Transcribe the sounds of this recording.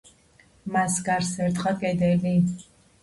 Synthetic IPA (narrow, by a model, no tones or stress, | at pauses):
masɡaɾsɛɾt̪χakʼɛd̪ɛli